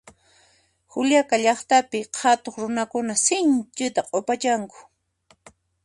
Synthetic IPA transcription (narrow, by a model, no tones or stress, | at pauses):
xʊljakaʎɑχt̪apɪhat̪oχɾʊnakʊnasɪnt͡ʃɪt̪aqʼopat͡ʃaŋkʊ̥